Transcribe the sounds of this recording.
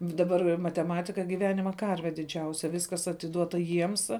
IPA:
dɐˈbɐr mɐtʲɛˈmɑːtʲɪkɐ ɡʲɪˈʋʲæːnʲɪmɐ ˈkɐrʲʋʲɛ dʲɪˈd͡ʒʲɛʊsʲɛ ˈʋʲɪskɐs ɐtʲɪˈduɔtɐ ˈjiɛms

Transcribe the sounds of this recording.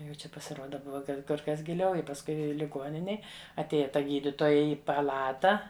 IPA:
jɛʊ ˈt͡ʃʲɛ pɐsʲɪˈruɔdɐ ˈbʊʋɐ ˈkɐt kʊr ˈkɐs ɡʲɪˈlʲɛʊ ɪ pɐsˈkʊɪ lʲɪˈɡuɔnʲɪnʲeːj ɐtʲˈeːjɛ ˈtɐ ˈɡʲiːdʲɪtoːjɛ ˈɪ pɐˈlˠɑːtɐ

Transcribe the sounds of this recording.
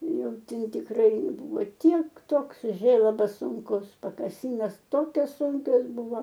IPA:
ˈjɛʊ ˈtʲɛn tʲɪkˈrɐɪ ˈbʊʋoː ˈtʲiɛk ˈtoːks ˈʒʲeːlˠɐbɐs ˈsuːŋkʊs pɐkɐˈsʲiːnoːs ˈtoːkʲoːs ˈsʊŋʲkʲoːs ˈbʊʋoː

